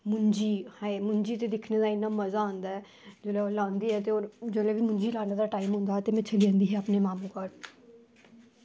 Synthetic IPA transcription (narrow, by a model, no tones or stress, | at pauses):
mʊɲd͡ʒiːhɛːmʊɲd͡ʒiːt̪eːd̪ɪkʰneːd̪aːɪnːaːməzaːõːnd̪aːɛː | d͡ʒeːlɛoːlãːnd̪iːɦɛːt̪eːoːɾd͡ʒeːleːʋiːmʊɲd͡ʒiːlaːneːd̪aːʈaːimɦʊ̃nd̪aːt̪eːmɛ̃ːt͡ʃʰəliːə̃ːnd̪iːɦɛːapneːmaːmũːkəɾ